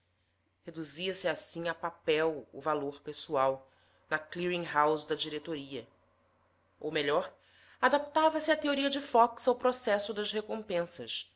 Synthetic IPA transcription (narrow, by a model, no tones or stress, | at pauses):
hed̪uziɐsɪasĩŋapapɛwʊ̰valoɾpesuaw | nɐkliɾĩŋɦawzd̪ɐd͡ʒiɾet̪oɾiɐ | o̰wmeʎɔɾ | ad̪ap̚t̪avɐsɪɐt̪eoɾiɐd͡ʒɪfɔksawpɾosɛsʊd̪ɐʃhekõmpẽsɐs